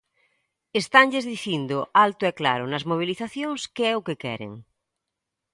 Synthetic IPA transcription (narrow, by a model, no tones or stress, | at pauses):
est̪aŋʎezðiθjind̪oʔalt̪ʊɛkla̰ɾʊnɐzmoβ̞iliθaθjoŋskeɛʊkekɛ̰ɾḛŋ